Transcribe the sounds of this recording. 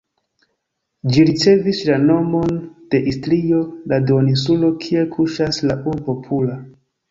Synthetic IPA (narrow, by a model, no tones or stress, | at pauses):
d͡ʒiɾit͡se̞vislano̞mo̞nd̥e̞ʔistɾio̞ladonisulo̞kʰie̞kʰuʃaslaʔuɾbo̞pʰula